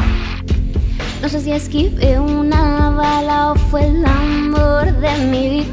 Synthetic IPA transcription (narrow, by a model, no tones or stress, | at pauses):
nõs̬es̬iaskipeunaβalaofwelamboɾðemiβit